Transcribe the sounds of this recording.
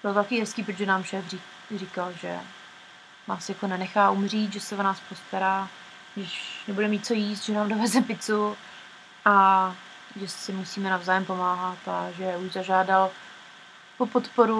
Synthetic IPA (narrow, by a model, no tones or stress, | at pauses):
b̥ɪlot̪t̪akiːɦɛskiːp̬ɾot̪ʒɛnaːmʃɛːfri | rɪkalʒɛ̰ | naːsjakonɛnɛxaːʔumr̝iːt̪ʒɛsɛonaːspost̪aɾaː | ɡdɪʃnɛbudɛmiːt̪̚t͡so̞jiːst̪ʒɛnaːmdovɛzɛpɪt͡su | ʔa | ʒɛsɪmusiːmɛnavzaːjɛmpo̞maːɦat̪aʒɛuʒzaʒaːdal | popot̪poɾu